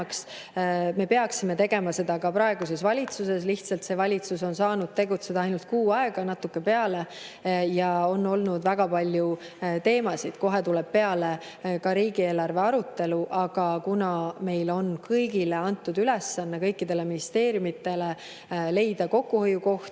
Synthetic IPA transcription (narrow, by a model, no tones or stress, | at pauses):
ks | me̞pe̞ɑksime̞t̪e̞ɡe̞mɑse̞d̪ɑkɑpɾɑeɡ̥use̞svɑlʲit̪suse̞s̬liht̪sɑlt̪se̞vɑlʲit̪suso̞nsɑːnud̪̥t̪e̞ɡut̪se̞d̪̥ɑɑjnult̪̚kuːɑeɡ̥ɑnɑt̪ːˑukːe̞pe̞ɑle̞ | jɑo̞nːo̞lnud̪væɡ̥ɑpɑlʲju | t̪e̞ːmɑsid̪̥ko̞ɦe̞t̪ulɛb̥̚pe̞ɑle̞ | kɑɾiːɡ̥ie̞ːlɑrve̞ɑɾut̪ːˑe̞luʔɑɡ̥ɑkunɑme̞jlo̞nkɤjɡile̞ɑnt̪ːˑud̪ylesːɑnːekɤjkːid̪̥e̞le̞minist̪e̞ːɾjumit̪ːˑe̞le̞ | le̞jd̪̥ɑko̞kːuhojuko̞ht̪